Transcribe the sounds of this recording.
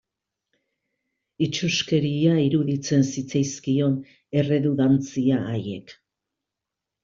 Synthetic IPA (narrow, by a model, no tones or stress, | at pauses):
it͡ʃuske̞ɾiaiɾuðit͡se̞nsit͡sajskio̞n | e̞re̞ðuðant͡siaːje̞̰k